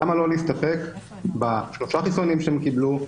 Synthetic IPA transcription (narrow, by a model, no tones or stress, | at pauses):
amalo̞liist̪ape̞k | baʃloʃaχisonimʃeemkiblu